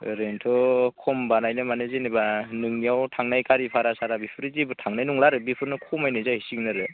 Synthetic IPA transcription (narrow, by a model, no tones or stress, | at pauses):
ɾentʰɔkʰɔmbanajnɯmanɯzenebanɯŋnijawtʰaŋnajkaɾipʰaɾasaɾabipʰɯɾɯzibɯtʰaŋnajnuŋlaɾɯbipʰɯɾnɯkʰɔmajnɯjzahisiŋnɯɾɯ